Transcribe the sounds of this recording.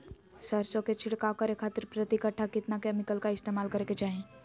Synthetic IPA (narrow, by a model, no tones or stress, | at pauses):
səɾsõket͡ʃʰɪɽkakəɾekʰaːt̪ɪɾpɾət̪ikəʈʰːakɪt̪nakɛːmɪkəlkaɪst̪eːmaːlkəɾeket͡ʃaːɦẽ